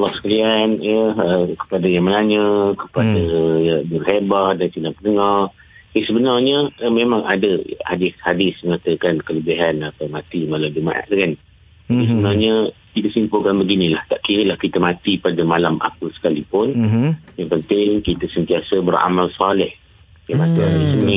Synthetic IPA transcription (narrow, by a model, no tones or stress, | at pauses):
alɔhsə̥kalianəəkə̥padajaŋməlaɲəkəpadəbərhebahdansinaʔpənəŋar | əsəbənarɲəəmemãŋadəhadɪshadɪsməŋat̪əkankələbiɦanapəmat̪imalawdima̰ʔa̰ʔdəkan | aisəbənarɲə | kit̪əsimpʊkanbəɡinilaht̪aʔkiɾəlahkit̪əmat̪ipadəmalamʔa̰pəsə̥kalipʊnjaŋpənt̪ɪŋkit̪əsənt̪iasəbəra̰malsalɪh | jamasəadisəni